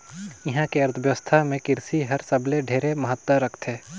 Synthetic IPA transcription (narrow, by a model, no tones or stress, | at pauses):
jɐɦãkeɐɾt̪ʰəʋjʋəst̪ʰamẽkɪɾsiɦɐɾsɐbleɖʱeːɾemɐɦət̪ːəɾɐkʰt̪ɦɛː